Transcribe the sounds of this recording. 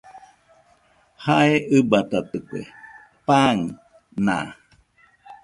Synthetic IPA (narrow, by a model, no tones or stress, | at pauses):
haeʔɨbat̪at̪ɨkʷḛ | paŋ | nã̰